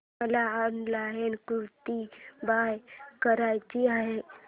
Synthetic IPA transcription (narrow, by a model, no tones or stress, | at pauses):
əlaənlaɦənkuɾt̪ibajkəɾajt͡ʃiaɦe